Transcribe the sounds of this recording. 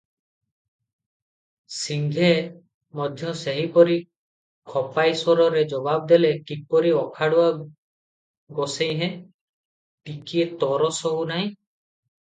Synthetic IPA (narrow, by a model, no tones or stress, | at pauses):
siŋɡʱe | mɔd̪ʱjɔseɦipɔɾi | kʰɔpajsɔɾɔɾed͡ʒɔbab̚d̪elekipɔɾiɔkʰaɽua | ɡɔsejɦẽ | tikiet̪ɔɾɔsɔɦunaj̃